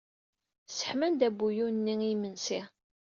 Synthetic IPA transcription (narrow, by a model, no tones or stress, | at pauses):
sə̥ħmænd̪æbːujunːiŋimənsi